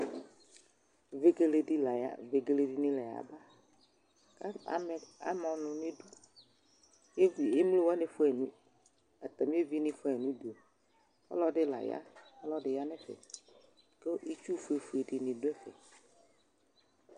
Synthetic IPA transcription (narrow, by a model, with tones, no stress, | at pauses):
ve˨ɡe˨le˨di˦la˨ja̰˦˨ve˨ɡe˨le˨di˦nĩ˦lɛ˨ja̰˨ba˦ | ka˦a̰˨mɛ˨a̰˨mɔ̃˨nʊ̃˨nẽ˦ɖu˦ | je˦vi˨e˦m˦le˦wa˦ne˨fo˦ɛ˨nũ˦ | a˨t̪a˨mĩ˦e˦vi˦nĩ˦fo˦ɛ˨nũ˦du˨o˨ | ɔ̰˦lɔ˦ɖɪ˦la̰˨ja̰˦ɔ˦lɔ˦ɖɪ˨ja˦nɛ̃˦fḛ˨ | ke˦ʔi˦t͡ʃu˦fe˨fu˨e˨ɖi˨nĩ˨dʊ˦ɛ˦fɛ̰˨